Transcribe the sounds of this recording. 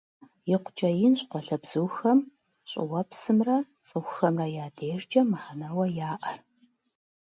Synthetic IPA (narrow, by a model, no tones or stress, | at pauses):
jɪqʷʊt͡ʃʼɐjɪnɕqʷɔɬɐbz̥ɨxɐm | ɕʼɪ̰wɐpsɨmrɐ | t͡sʼɨxʷʊxɐmrɐjaːdeːʒd͡ʒɐmaħanɐwɐjaːʔɐr